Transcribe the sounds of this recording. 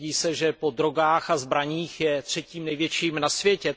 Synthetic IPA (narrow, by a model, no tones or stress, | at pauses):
iːsɛʒɛpo̞d̪ɾo̞ɡaːxazbɾaɲiːxjɛt̪r̝̥ɛciːmnɛjvjɛt͡ʃiːmnasvjɛcɛ